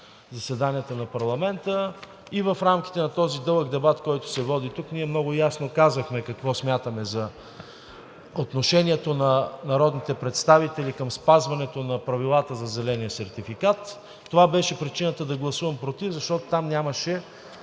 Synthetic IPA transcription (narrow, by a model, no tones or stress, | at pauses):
zɐsɛd̪anijət̪ənɐpɐɾlˠɐmɛnt̪ə | ivəfɾamk̟i̥t̪ɛnɐt̪ɔzid̪ɤlˠəɡd̪ɛbat̪kɔjt̪ʊ̥sɛvɔd̪it̪ukniɛmnɔɡʊjasnokazəxmɛkɐkvɔsmʲjat̪əmɛzɐ | ot̪noʃɛniɛt̪onɐnɐɾɔd̪nit̪ɛpɾɛt̪st̪avit̪ɛlikəmspazvɐnɛt̪onɐpɾɐvilˠat̪əzɐzɛlɛnijəsɛɾt̪ifikat̪ː | ovabɛʃɛpɾit͡ʃinət̪əd̪ɐɡlˠɐsuvɐmpɾot̪ivzɐʃt̪ɔt̪o̥t̪amnʲaməʃɛ